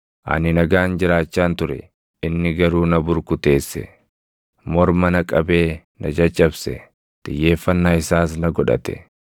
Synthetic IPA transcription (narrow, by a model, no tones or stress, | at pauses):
ʔɐ̰nɪnɐɡaːnd͡ʒɪɾaːt͡ʃːaːnt̪ʊɾɛ̰ | ɪnːɪɡɐɾuːnɐbʊɾkʊt̪e̞ːsːɛ̰ | mɔɾmɐnɐkʼɐbe̞ː | nɐd͡ʒɐt͡ʃʼːɐbsɛ̰ | t̪ɪ̰jːe̞ːfːɐnːaːɪsaːsnɐɡɔᶑɐ̰t̪ɛ̥̰